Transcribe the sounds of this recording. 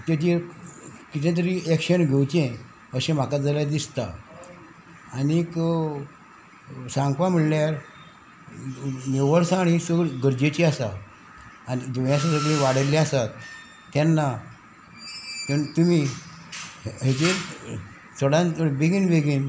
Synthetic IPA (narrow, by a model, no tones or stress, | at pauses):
t̪et͡ɕe | kit̪ẽt̪̬əɾiekɕənɡʱewt͡ɕẽ | əɕẽm̤akad͡zalad̪ist̪a | nik | sãŋɡʋam̤iɭljaɾ | neʋəɾsaːɽ̃isəɭɡəɾd͡ʑet͡ɕiasaː | nid͡ʑeʋjaɕ̬asəɡɭĩʋaɽ̤əlãasat̪ː | anːa | nt̪umi | ɦet͡ɕe | sʰəɽãnbeɡiːnbeɡiːn